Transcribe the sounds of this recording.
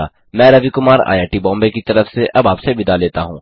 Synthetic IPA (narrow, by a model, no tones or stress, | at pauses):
a | mɛ̃ːɾɐʋikʊmaːɾa̰ːjaːʈibɔ̃ːmbekit̪ɐɾəfseʔɐbaːpsebɪd̪aleːt̪aɦũː